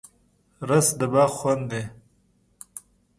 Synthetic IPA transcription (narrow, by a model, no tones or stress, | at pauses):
ɾasd̪əbaxwand̪e